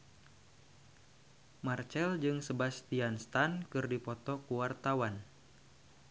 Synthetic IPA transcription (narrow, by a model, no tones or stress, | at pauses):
mart͡ʃɛld͡ʒɨŋsəbast̪ianst̪ankɨrdipɔt̪ɔkuwart̪awan